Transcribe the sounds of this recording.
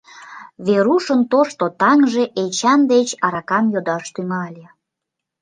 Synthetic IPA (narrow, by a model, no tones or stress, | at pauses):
βeɾuʃənt̪oʃt̪ot̪ɑŋʒeʔet͡ɕɑnd̪et͡ɕɑɾɑkɑmjod̪ɑʃt̪yŋɑlʲe